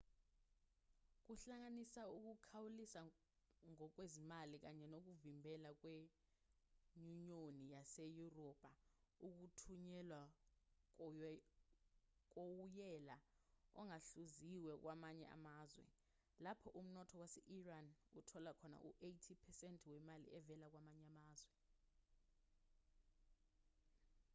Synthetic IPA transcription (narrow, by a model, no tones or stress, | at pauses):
k̬uɬaŋ̬anisauk̬ukʰawulisa | ŋɔk̬wezimalik̬aɲɛnok̬uvimbʱɛlak̬we | ɲuɲonijasejurɔb̥ʱauk̬utʰuɲɛlwak | k̬owujɛlaɔ̰ŋaɬuziwɛk̬wʔamaɲɛ̰ʔa̰maːzwɛ̰ | lapʰɔʔum̩nɔtʰɔwasɛʔiranutʰɔlakʰɔna̰ʔuʔejtʰipʰɛsɛntʼʰwɛmalḭɛvɛlak̬wamaɲɛamaːzwɛ